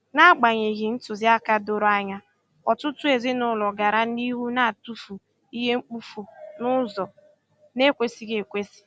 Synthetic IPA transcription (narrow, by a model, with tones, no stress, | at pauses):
na˦˨ɡ͡ba˨ɲe˨ɣi˨n̩˦tʊ˨zi˦a˦ka˦do˦ɾo˦a˦ɲa˦ | ɔ˨tʊ˦tʊ˦e˨zi˦nʊ˦lɔ˨ɡa˨ɾa˦ni˦ɦu˦na˦a˨tu˦fu˨ | i˦ɦe˦ŋ͡m̩˦k͡pu˦fu˨nʊ˦zɔ˨ | ne˦kʷe˦si˦ɡe˨kʷe˦si̥˨